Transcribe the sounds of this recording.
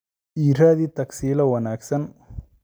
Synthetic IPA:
iɾaːd̪it̪ɐksiːlɐwɐnaːksɐn

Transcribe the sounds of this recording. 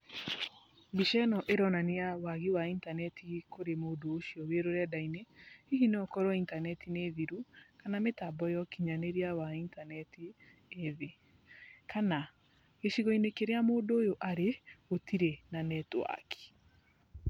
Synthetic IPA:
biʃɛnɔʔeɾɔnanejawaɣiwaintanɛtʰikoɾemoːdoːʃiɔβeɾoɾɛdaineiɦineɔkɔɾɔintanɛtʰineðiɾukanametabɔjɔkiɲaneɾiawaintanɛti | eðe | kana | ɣeʃiɣɔinekeɾeamoːdoːjoʔaɾeotiɾenanɛtwa̰kʰi̥

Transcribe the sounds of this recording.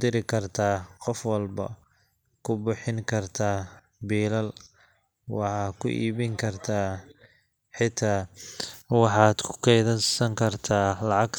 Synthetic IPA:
d̪ɪɾɪkʰɐrt̪ʰaːqɔfwɑlbɐ̰ | kʰʊbʊħɪŋkʰɐrt̪ʰaː | biːlɐl | wɑħɑːkʰʊ̰ʔḭːβɪŋkʰɐrt̪ʰaː | ħɪt̪ʰaː | wɑħɑːd̪kʰʊ̥qɛjðɐsɐŋkʰɐrt̪ʰaːlɑʕɑɡ

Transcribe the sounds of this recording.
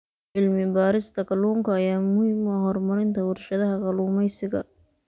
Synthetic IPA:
ʕɪlmɪbaːɾɪst̪ʰɐkɐluːŋkʰɐːjaːmʊhiːmɔɦɔrmɐɾɪnt̪ʰɐwʊrʃɐðɐɦɐkʰɐluːmɛjsɪɣɐ̰

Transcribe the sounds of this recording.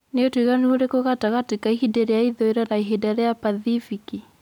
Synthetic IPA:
neotwiɣanioɾekoɣataɣatikaihidɛɾɛjaiðɔiɾanaiɦidaɾɛjapaðifiki

